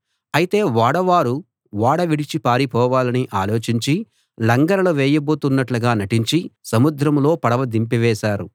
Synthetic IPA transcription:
ɐjit̪e̞ːʋaːɽɐʋaːɾu | ʋaːɽɐʋiɽit͡ʃipaːɾipɔːʋaːlɐniʔaːlo̞ːt͡ʃiɲt͡ʃi | lɐŋɡɐɾɐlɐʋɛːjɐboːt̪unːɐʈluɡaːnɐʈiɲt͡ʃisɐmud̪ɾɐmlo̞ːpɐɽɐʋɐd̪impiʋɛːʃaːɾu

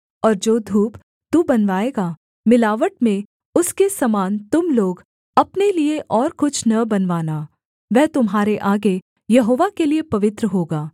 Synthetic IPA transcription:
ɔːɾd͡ʒoːd̪ʱuːp | t̪ubɐnʋaːeːɡaː | mɪlaːʋəʈ̚mẽ | ʊskesɐmaːnt̪ʊmloːɡ | ɐpnelieʔɔːɾkʊt͡ʃʰnɐbɐnʋaːna | ʋɛɦt̪ʊmɦaːɾeʔaːɡe | jɐɦoːʋakeliepɐʋɪt̪ɾəɦoːɡaː

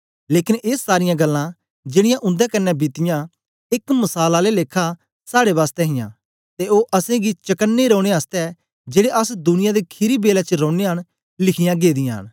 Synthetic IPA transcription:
leːkɪneːsːaːɾɪjãɡəlːã | d͡ʒɪɽ̃ɪjãʔʊ̃nd̪ɛkɐnːɛbɪt̪ɪjã | ɪkmɐsaːlaleleːkʰːa | saːɽeʋaːst̪ɛɦɪjã̰ | t̪eoːʔɐsẽɡit͡ʃɐkənːeɾɔːɽ̃eəst̪ɛ | d͡ʒeːɽeʔəsd̪ʊnɪjãd̪ekʰɪɾibeːlɛt͡ʃəɾɔ̃ːɽeɦən | lɪkʰɪjãɡeːd̪ɪjãɦə̰n

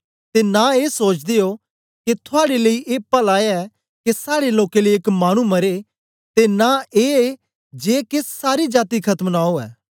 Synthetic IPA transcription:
t̪enaeːsoːt͡ʃd̪ejo | ket̪ʰʊaːɽeleiʔeːpəlaːjaɛ | kesaːɽeloːkeliekmaːɽ̃umɐɾe | t̪enaeː | d͡ʒeːkessaːɾid͡ʒaːt̪ikʰɐt̪əmnaːoɛ̰ː

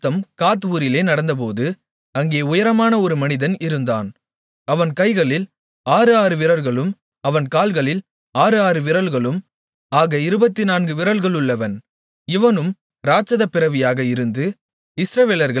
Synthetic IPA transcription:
t̪ːɐmkaːt̪̬ʋuːɾɪleːnɐɽɐnd̪ɐp̬oːðɯ | ɐŋɡeːʊjɐɾɐmaːnɐɔɾɯmɐnɪðɐnɪɾɯnd̪a̰ːn | ɐʋɐnkɐɪɣɐɭɪl | aːɾɯaːɾɯʋɪɾɐɾɣɐɭɯm | ɐʋɐnkaːlɣɐɭɪl | aːɾɯaːɾɯʋɪɾɐlɣɐɭɯm | aːɣɐɪɾɯbɐt̪ːinaːnɡɯʋɪɾɐɭɣɐɭɯɭːɐʋɐn | ɪʋɐnɯm | ɾaːt͡ʃɐðɐpːɪɾɐʋɪjaːɣɐɪɾɯnd̪ɯ | ɪsɾɐʋeːlɐɾɣɐ

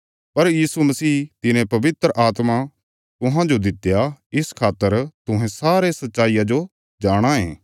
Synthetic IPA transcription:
pɐɾjiːsumɐsiːt̪ɪnẽpɐʋɪt̪ɾəʔaːt̪ma | t̪ʊɦãd͡ʒod̪ɪt̪ːjaɪskʰaːt̪ːəɾt̪ʊɦẽsaːɾesɐtːʃaːijad͡ʒo | d͡ʒaːɽ̃aɦẽː

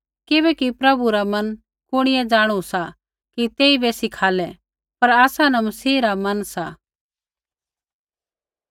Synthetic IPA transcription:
kɪβɛkipɾɐbuɾamɐn | kʊɽ̃ɪjɛ̃d͡ʒaːɽ̃usa | kit̪eːibɛsɪkʰaːlɛ | pɐɾaːsãnɐmɐsiːɾamɐnsa

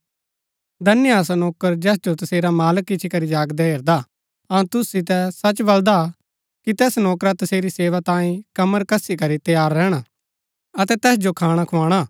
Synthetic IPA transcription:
d̪ɐnɪjaːs̬anɔːkəɾd͡ʒɛːsd͡ʒot̪ɐseːɾamaːləkːɪt͡ʃʰikɐɾid͡ʒaːɡd̪ɛɦeːɾd̪a | ɐũt̪ʊsit̪̬ɛsɐt͡ʃbɐld̪a | kit̪ɛːsnɔːkɾat̪ɐseːɾiseːʋat̪ãːĩkɐməɾkɐsikɐɾit̪ɐjaːɾːɛːɽ̃a | ɐt̪ɛt̪ɛːsd͡ʒokʰaːɽ̃akʰʊãːɽ̃a

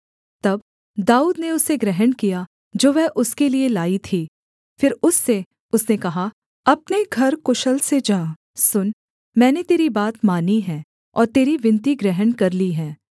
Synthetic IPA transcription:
t̪ɐb | d̪aːuːd̪neʊseɡɾɛɦənkija | d͡ʒoːʋɛɦʔʊskelielaːit̪ʰiː | fɪɾʊsːe | ʊsnekɐɦa | ɐpneɡʱɐɾkʊʃəlsed͡ʒãː | sʊn | mɛ̃ːnet̪eːɾibaːt̪maːniɦɛ̃ː | ɔ̰ːɾt̪eːɾiʋɪ̃nt̪̬iɡɾɛɦənkɐɾliɦɛ̃ː

